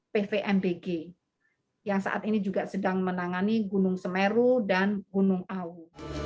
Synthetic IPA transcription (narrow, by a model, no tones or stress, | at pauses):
pefeʔɛmbeɡe | jaŋsa̰ʔa̰t̪inid͡ʒuɡasədaŋmənaŋaniɡunʊŋsəmeɾudanɡunʊŋau